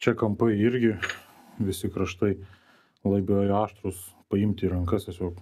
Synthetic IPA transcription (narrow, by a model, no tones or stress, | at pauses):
t͡ʃʲɛkɐmpɐɪɪɾʲɡʲɪ | ʋʲɪsʲɪkɾɐʃt̪ɐɪ | lˠɐɪbʲoːjoɑːʃt̪ɾʊs | pɐɪmʲt̪ʲiːɾɐŋkɐst̪ʲɛsʲoːk